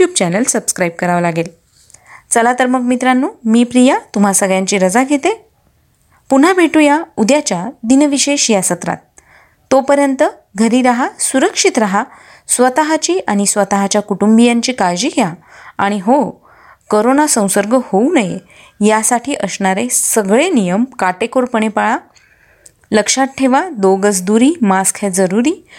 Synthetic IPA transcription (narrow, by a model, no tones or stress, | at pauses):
jub̚t͡ɕɛnəlsəbskɾajb̚kəɾaʋlaɡel | t͡səlat̪əɾməkmit̪ɾanːuːmiːpɾijat̪um̤asəɡɭjãɲt͡ɕiːɾəd͡zaɡʱet̪e | pun̤abʱeʈujaud̪jat͡ɕjad̪inʋiɕeɕjasət̪ɾa̰t̪̚ː | opəɾjənt̪ə | ɡʱəɾiːɾaɦasuɾəkʂit̪ɾaɦa | sʋət̪aɦat͡ɕiːʔaɽ̃isʋət̪aɦat͡ɕjakuʈumbijaɲt͡ɕiːkaɾd͡ʑiːɡjaaɽ̃iɦo | koɾonasə̃w̃səɾɡəhounəjḛ | jasaʈʰiːʔəsɳaɾesəɡɭenijəmkaʈekoɾpəɳ̃epaɭa | ləkʂaʈ̚ʈʰːeʋad̪oɡəsd̪uɾiːmaskʰed͡zəɾuɾiː